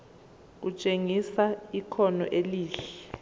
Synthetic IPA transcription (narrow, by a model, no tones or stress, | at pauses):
k̬ut͡ʃʼeŋisaikʰɔnɔʔeliːɬɛ